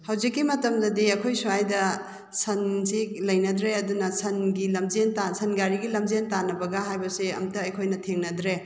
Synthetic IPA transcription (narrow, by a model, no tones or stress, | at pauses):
hɐwd͡ʒikːimɐtɐmdɐdiɐkʰojsuajdɐ | sɐnzik̚lɐjnɐdɾeɐdunɐsɐnɡilɐmd͡ʒentasɐnɡaɾiɡilɐmd͡ʒentanɐbɐɡɐɦajbɐseɐ̰mtɐɐjkʰojnɐtʰeŋnɐdɾe